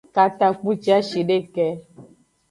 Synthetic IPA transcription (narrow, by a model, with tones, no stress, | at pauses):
ka˨t̪a˨k͡pũ˦t͡ʃi˦a˦ʃi˨ɖe˦kɛ˦